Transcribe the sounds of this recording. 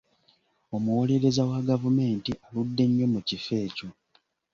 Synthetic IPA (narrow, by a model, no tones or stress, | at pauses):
o̞muwo̞le̞ɾe̞zawaɡavume̞ːntiʔaludːe̞ɲːo̞mucife̞ːco